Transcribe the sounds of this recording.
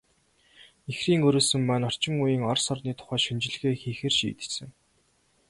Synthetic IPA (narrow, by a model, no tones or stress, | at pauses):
exriːŋɵɾoːsɵ̆mːæːnɔr̥t͡ɕɪ̆ŋujiːŋɔrsɔrniːt̪ʰʊ̥χæːʃint͡ɕɪ̆ɮɣeːxiːxĕrʃḭːt̪ɘ̥̆sɘ̆ŋ